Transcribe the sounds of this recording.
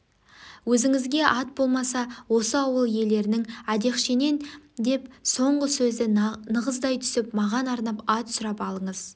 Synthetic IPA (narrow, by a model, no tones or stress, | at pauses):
wɵzɪŋɪzɡʲe̞ʔɑt̪̚bo̞lˠmɑsɑwo̞səɑwəlˠje̞le̞ɾɪnɪŋæd̪e̞qʃene̞nd̪e̞pso̞ɴʁəsɵzd̪ɪnəʁəzd̪ɑjt̪ʰʏ̥sɪpmɑʁɑnɑɾnɑpɑt̪sʊɾɑpɑlˠəɴəz